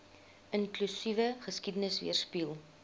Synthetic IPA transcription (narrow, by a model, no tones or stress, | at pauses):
ənklysivəχəskidənəsvḭərspilˠ